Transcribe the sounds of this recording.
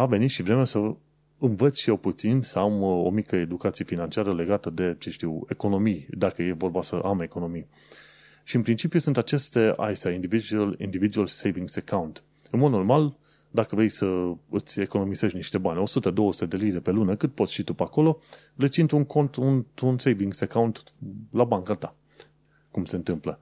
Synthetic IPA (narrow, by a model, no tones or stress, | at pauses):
ave̞nit̪ʃivɾe̞mesə | ɨnvət̪sʲʃijewput̪sinsəamo̞̰mikəe̞d̪ukat̪sijefinant͡ʃiaɾəle̞ɡat̪əd̪e̞t͡ʃeʃt̪iwe̞ko̞no̞mijd̪akəje̞vo̞rbasəʔame̞ko̞no̞mij | ʃiɨnpɾint͡ʃipjusunt̪at͡ʃe̞st̪e̞a̰jsajind̪ivid͡ʒlḭnd̪ivid̪ualsejviŋɡsekawnt̪ | ɨnmod̪no̞rmal | d̪akəvɾe̞jsəɨt̪sʲe̞ko̞no̞mizeʃʲniʃt̪e̞banʲo̞sut̪əd̪o̞wəsu̥t̪e̞d̪e̞lid̪e̞pe̞lunəkɨt̪̚po̞t̪sʲʃit̪upako̞lo̞ | le̞t̪sint̪uŋko̞nt̪ununsejviŋɡsekawnt̪ | labaŋkat̪a | kumse̞nt̪ɨmplə